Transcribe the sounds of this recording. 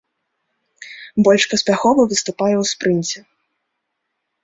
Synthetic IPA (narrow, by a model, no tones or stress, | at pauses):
bɔlʲʂpɐsʲpʲaxɔvɐvɨst̪upajɛwspɾɨnʲt͡sʲɛ